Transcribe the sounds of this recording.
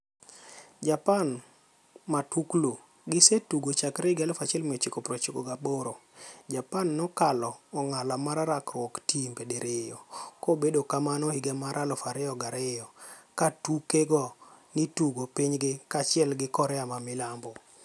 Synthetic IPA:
d͡ʒapan | matuklo | ɡɪsetuɡot͡ʃakɾɪɡɛlɔfat͡ʃɛlmet͡ʃikopɾɔt͡ʃikoɡaboɾod͡ʒapanːɔkalɔːŋalamaɾaɾakwɔktimbedeɾejɔkobedokamanɔhiɡɛmaɾalɔfaɾɛɔɡaɾejɔkatukeɡɔnituɡopiɲɡɪkat͡ʃɪɛlɡɪkɔɾɛamamɪlambɔ

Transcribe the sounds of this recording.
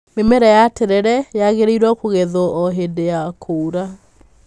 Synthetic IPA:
memɛɾɛjateɾɛɾɛjaɣeɾeiɾwɔkoɣeðɔɔɦedeakʰoɾa

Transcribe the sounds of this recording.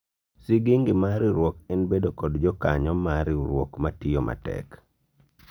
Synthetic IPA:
siɡiŋɡɪmaɾɪɾwɔkɛnbedokɔdd͡ʒɔkaɲɔmaɾɪɾwɔkmatɪjɔmʔa̰tɛ̰k

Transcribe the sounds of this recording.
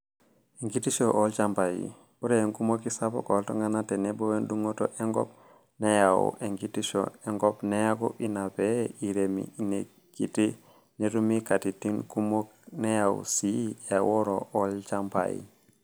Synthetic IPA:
eŋɡitiʃoʔolt͡ʃampajḭ | buɾeŋkumokisabo̰koltoŋɡanatenebowenduŋoto̰ʔeŋɡɔ̰p̚ | nejawṵʔeŋɡitiʃo̰eŋɡopnejako̰inapeiɾemḭne | kiti | netumikatitiŋkumoknejaw̰sijawoɾoʔolt͡ʃampa̰jḭ

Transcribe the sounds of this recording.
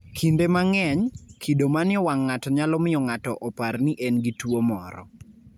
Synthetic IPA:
kʰindemaŋɛɲkʰidomanɪɔwaŋːatɔɲalɔmɪɔŋatɔʔɔparniʔɛnɡitwomɔɾɔ̰

